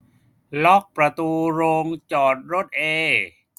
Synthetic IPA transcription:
lɔ˦˥k̚pɾa˧t̪uː˧ɾoː˧ŋt͡ɕɔː˨˩t̪̚ɾo˦˥t̪̚ʔeː˧

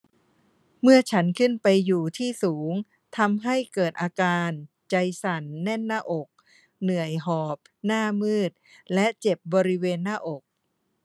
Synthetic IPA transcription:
mɯ˥˩ɐt͡ɕʰa˦˥nkʰɯ˥˩npa˧jːuː˨˩t̪ʰiː˥˩suː˩˦ŋ | t̪ʰa˧mɦa˥˩jkɤː˨˩t̪̚ʔaː˧kaː˧n | t͡ɕa˧jsa˨˩˦nːɛ˥˩nːaː˥˩ʔo˨˩k̚ | nɯ˨˩əjɦɔː˨˩p̚naː˥˩mɯː˥˩t̪̚lɛ˦˥ʔt͡ɕe˨˩p̚bɔː˧ɾi˦˥weː˧nːaː˥˩ʔo˨˩k̚

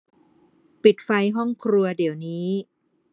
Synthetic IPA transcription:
pi˨˩t̪̚fa˧jɦɔ˥˩ŋkʰɾu˧ɐdi˨˩˦wniː˦˥

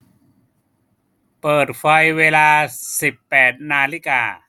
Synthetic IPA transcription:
pɤː˨˩t̪̚fa˧jweː˧laː˧si˨˩pːɛː˨˩t̪̚naː˧li˦˥˩ka̰ː˧

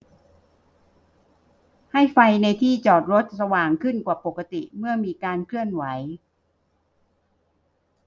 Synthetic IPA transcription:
ha˥˩jfa˧jna˧jt̪ʰiː˥˩t͡ɕɔː˨˩t̪̚ɾo˦˥t̪̚sa˧waː˨˩ŋkʰɯ˥˩nkwaː˨˩po˨˩kːa˧t̪i˨˩mɯ˥˩ɐmiː˧kaː˧nkʰlɯ˥˩ənwa˩˦j

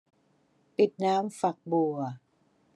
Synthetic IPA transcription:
pi˨˩t̪̚naː˦˥mfa˨˩k̚bu˨˩ɐ

